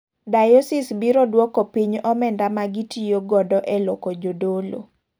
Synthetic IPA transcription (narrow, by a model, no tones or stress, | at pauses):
dajɔsɪsbiɾɔdwɔkɔpiɲɔmɛndamaɡitʰijoɡɔdɔʔɛlɔkɔd͡ʒodolo̰